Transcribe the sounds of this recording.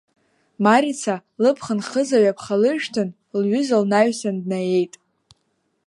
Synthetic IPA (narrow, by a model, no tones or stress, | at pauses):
maɾit͡sʰalɨpʰχənχəzaɥapʰχalɨʃᶣtʰɨn | lɥʏzalnaɥsandnaje̞jtʼ